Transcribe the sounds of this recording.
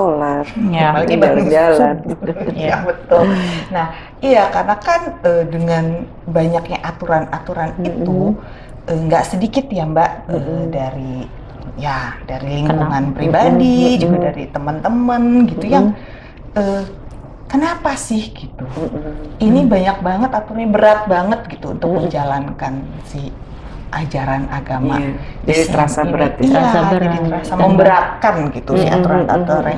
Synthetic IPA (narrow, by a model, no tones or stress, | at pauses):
solarməlaɡibət̪ʊalanjabət̪ʊlnah | ijakarənakanədəŋan | baɲak̚ɲaʔat̪uɾanat̪uɾanit̪u | ʔəːŋɡaʔsədikɪt̪jambaʔədaɾi | jadaɾiliŋkuŋanpɾibadid͡ʒubadaɾit̪əmənt̪əmənɡit̪ujaŋ | ə | kənapasɪhɡ̥it̪u | inibaɲak̚baŋət̪at̪uɾɲabəɾat̪̚baŋət̪̚ɡit̪ṵːnt̪ʊk̚məɲd͡ʒalankan | sɪh | ʔad͡ʒaɾanaɡama̰dait̪əɾaaəɾat̪iaadit̪əɾasamməmbəɾat̪̚kanɡit̪usɪ̰ha̰t̪ɾat̪a̰t̪ɔɾa